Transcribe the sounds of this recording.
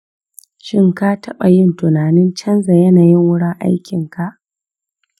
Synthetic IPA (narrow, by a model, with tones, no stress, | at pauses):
ʃɪ˦˨ŋka˦tʰɐ˦ɓa˨jɪ˦ntʊ˨naː˨nɪ˦nt͡ʃɐ˦nza˨jɐ˦naː˨jɪ˦ŋwʊ˦ɽɪ˦ŋʔa̰˦jkʲɪ˨ŋka˨ʔ